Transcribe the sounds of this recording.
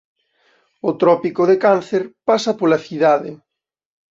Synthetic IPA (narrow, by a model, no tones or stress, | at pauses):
ʊt̪ɾɔpikoðekan̟θeɾpasɐpolaθiðaðɪ